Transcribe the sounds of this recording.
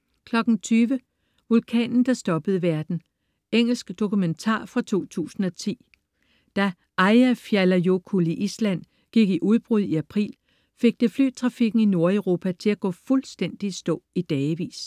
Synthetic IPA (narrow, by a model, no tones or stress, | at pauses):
kʰlɒ̽ɡ̥n̩t͡sʰyːʋə | ʋulkʰɛ̰ːnn̩d̥ɑ̈sd̥ɒ̽b̥əð̞̩ˠəʋæɐd̥n̩ | eŋ̰l̩sɡ̥d̥o̝kument͡sʰɑ̰̈ːfʁɑ̈t͡sʰo̝̰ːt͡sʰṵːsn̩ɒ̽t͡sʰḭː | d̥æ | ʔɑɪæfjælɐjo̝kʰuliʔislæn̰ | ɡ̥iɡ̥iʔuðˠb̥ʁuð̞̰ˠiæpʰʁḭːl | fe̝ɡ̥̚d̥əfly̰̥t͡sʰʁɑ̈fiɡ̥n̩ino̝ɐeʊʁo̝ːpʰæt͡sʰe̝læɡ̥ɔ̰̽fulsd̥en̰d̥isd̥ɔ̰̽ːid̥ɛːʋḭːs